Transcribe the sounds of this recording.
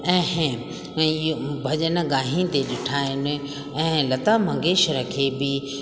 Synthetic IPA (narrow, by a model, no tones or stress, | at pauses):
ɛ̃ː | bʱɐʄənəɡaːɦĩt̪eɗɪʈʰaːɪnɪ̆ | ɛ̃ːlɐt̪aːmɐ̃ŋɡeːʃəɾɐkʰeːbɪ